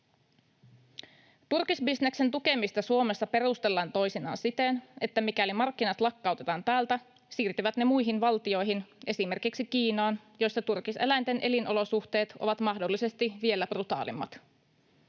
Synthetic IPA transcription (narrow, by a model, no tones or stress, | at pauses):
t̪urkisbisne̞kse̞nt̪uke̞mist̪ɑsuo̞me̞sːɑpe̞ɾust̪e̞lːɑːnt̪o̞jsinɑ̰ːnsit̪ene̞t̪ːæmikælimɑrkːinɑt̪lɑkːɑuwt̪e̞t̪ɑːnt̪æːlt̪æ | siːrt̪yʋæt̪ne̞mujɦinʋɑlt̪io̞jɦinʔe̞sime̞rkiksik̟iːnɑːn | jo̞jsːɑt̪urkise̞læjnt̪e̞nʔe̞linʔo̞lo̞suxt̪e̞ːt̪o̰ʋɑt̪mɑɦdo̞lːise̞st̪iʋie̞lːæb̥rut̪ɑ̰ːlḭmːɑ̰t̪